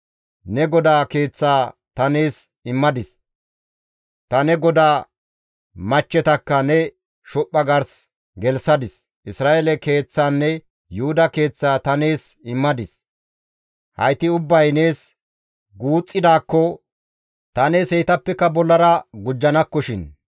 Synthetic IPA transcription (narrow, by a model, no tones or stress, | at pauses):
nɛɡɔd̪aːke̞ːt͡sːaːt̪ɐne̞ːs | ɪmːɐd̪ɪs | t̪ɐnɛɡɔd̪aː | mɐt͡ʃːɛt̪ɐkːɐnɛ | ʃɔpʼːɐɡɐɾs | ɡɛlsɐd̪ɪs | ʔɪsɾaːʔɛlɛke̞ːt͡sːaːnːɛ | jʊhʊd̪ɐke̞ːt͡sːaːt̪ɐne̞ːsɪmːɐd̪ɪs | hɐ̰jt̪ɪʊbːɐjne̞ːs | ɡuːt͡sʼːɪd̪aːkːɔ | t̪ɐne̞ːsɛjt̪ɐpːɛkːɐbɔlːɐɾɐɡʊd͡ʒːɐnɐkːɔʃɪn